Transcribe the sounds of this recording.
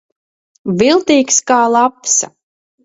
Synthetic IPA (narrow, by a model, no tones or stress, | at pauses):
vilˠt̪iːkskaːlˠapsa̰